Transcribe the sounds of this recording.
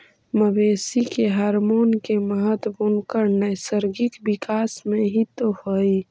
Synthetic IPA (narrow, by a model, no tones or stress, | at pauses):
məbeːsikeɦaːɾmoːnkeməɦət̪bunkəɾnəjsəɾɡɪkbɪkaːsmẽɦit̪ohoːi